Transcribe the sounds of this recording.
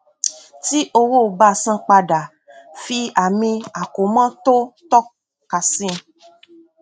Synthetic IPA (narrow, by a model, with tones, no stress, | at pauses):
ti˦ʔo˧wo˦˨ba˧˨sã˦k͡pa˧da˨ | fi˧a˨mĩ˧a˨ko˨˦mã˦to˦tɔ˦ | ka˨sĩ˦